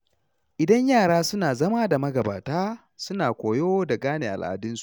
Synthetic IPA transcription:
ʔɪ˨dɐ˦ɲjaː˦˨ɽaː˦sʊ˦naː˨zɐ˦maː˦da˨mɐ˦ɡɐ˨ba̰ː˨taː˦ | sʊ˦naː˨kʷoː˨joː˦da˨ɡaː˦neː˨ʔa̰˨lʔa̰˨dɪ˦nsu̥˦ʔ

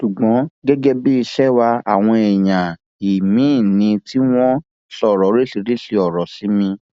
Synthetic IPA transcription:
ʃu˨ɡ͡bɔ̃˨˦ɡɛ˦ɡɛ˦bi˦i˧ʃɛ˦wa˧a̰˨w̃ɔ̃˧ɛ˨j̃ã˨ | i˨mĩ˨˦˨nĩ˧ti˦w̃ɔ̃˦ | sɔ˦˨ɾɔ˨˦ɾe˦si˧ɾi˦ʃi˧ɔ˨ɾɔ˨si˨˦mĩ˧

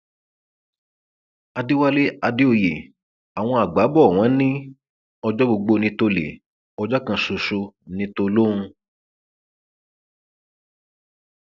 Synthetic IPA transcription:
a˧di˦wa˦le˦a˧di˦o˧jḛ˨ | a˨w̃ɔ̃˧a˨ɡ͡ba˨˦bɔ˦˨w̃ã˨˦nĩ˦ | ɔ˧d͡ʒɔ˦bo˧ɡ͡bo˧nĩ˧˦to˧lḛ˨ | ɔ˧d͡ʒɔ˦kã˧su˨˧so˧nĩ˧˦to˧lo˦ɾ̃ũ˧

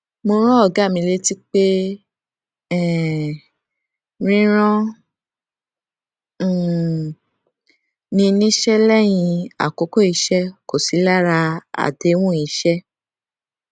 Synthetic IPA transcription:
mo˧ɾ̃ɔ̃˦ɔ˦˨ɡa˨˦˨mĩ˧le˦ti˦k͡pe˦ | ɛ˦˨ | ɾ̃ĩ˦ɾ̃ɔ̃˦˨ | nĩ˧nĩ˦ʃɛ˦lɛ˦j̃ĩ˧a̰˨ko˨˦ko˦˨i˧˦ʃɛ˦ko˨si˨˦la˦ɾa˧a̰˨de˨˦wũ˦i˧˦ʃɛ˦

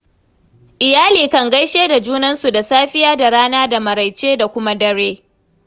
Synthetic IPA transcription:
ʔɪ˨jaː˦liː˨kɐ˨ŋɡɐ˦jʃeː˦da˨d͡ʒuː˦nɐ˦nsu˨da˨saː˦ɸɪ˦jaː˦da˨ɽaː˦naː˦da˨mɐ˨ɾɐ˨jt͡ʃeː˦da˨kʷʊ˦ma˦dɐ˦ɽeː˦

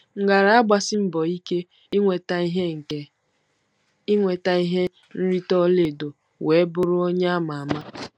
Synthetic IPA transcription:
ŋ̩˨ɡa˨ɾa˨˦a˦ɡ͡ba˨sɪ˦m̩˦bɔ˨i˦ke˦ | ŋʷe˨ta˦i˦ɦe˦ŋ̩˨ke˨ | i˦ŋʷe˨ta˦i˦ɦe˦ | n̩˦ɾi˦tɔ˦le˨do˨ | we˨˦bʊ˦ɾʊ˦o˦ɲe˦a˦ma˨a˨ma˦

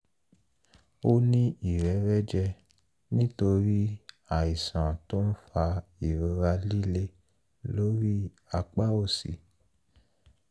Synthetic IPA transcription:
o˦nĩ˦i˦˨ɾɛ˨˦ɾɛ˦d͡ʒɛ˧ | nĩ˦to˧ɾi˦ | a˦˨i˨sã˨to˦n̩˦fa˧i˨ɾo˨˧ɾa˧li˦le˦ | lo˨˦ɾi˦ | a˧k͡pa˦o˦˨si˨

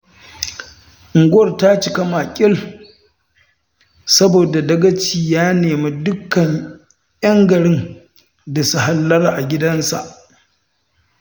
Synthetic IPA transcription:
ʔɪ˨ŋɡɐ˦˨rta˦t͡ʃɪ˨kɐ˦ma˨kʲʼɪ˦l | sɐ˦boː˨da˨dɐ˦ɡɐ˦t͡ʃiː˨jaː˦neː˨ma˦dʊ˦kːɐ˨ɲ | jɐ˦ŋɡɐ˨ɽɪ˦n | da˨su˦ɦa˨lːɐ˦rʔa˨ɡʲɪ˦dɐ˦nsa̰˨ʔ

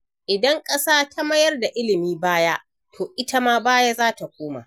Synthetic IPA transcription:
ʔɪ˨dɐ˦ŋkʼɐ˦saː˦tʰa˦mɐ˦jɐ˦rda˨ʔɪ˦lɪ˨miː˦baː˦ja˦ʔ | tʰoː˨ʔɪ˦tɐ˦maː˦baː˦ja˦zaː˦ta˨kʷoː˦ma̰˨ʔ

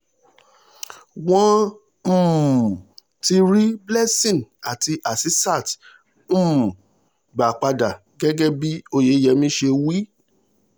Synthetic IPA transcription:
wɔ̃˦ | m̩˦˨ | ti˧ɾi˦blɛ˦sĩ˨na˨ti˧ʔa˨si˦sa˦˨t | m̩̃ː˦˨ | ɡ͡ba˨k͡pa˧da˨ | ɡɛ˦ɡɛ˦bi˦o˧je˨˦jɛ˨˧mĩ˦ʃe˧wi˦

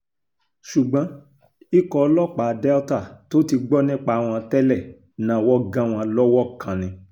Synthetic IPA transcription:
ʃu˨ɡ͡bã˨˦ | i˦kɔ˧lɔ˦˨k͡pa˨dɛ˦ta˦˨to˦ti˧ɡ͡bɔ˦nĩ˦˨k͡pa˧a˨w̃ɔ̃˧tɛ˦lɛ˦˨ | nã˨wɔ˦ɡã˦w̃ɔ̃˧lɔ˦wɔ˦kʰã˨nĩ˧

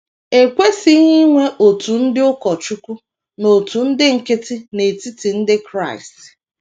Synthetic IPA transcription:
e˨kʷe˦si˦ɲi˦ŋʷe˦ʔo˨tu˨n̩˦dɪ˦ʊ˦kɔ˨t͡ʃu˦kʷu˦ | no˨tu˨n̩˦dɪ˦ŋ̩˨kɪ˦tɪ˦ne˨ti˦ti˨n̩˦dɪ˦kɾa˦˨ɪ˨st

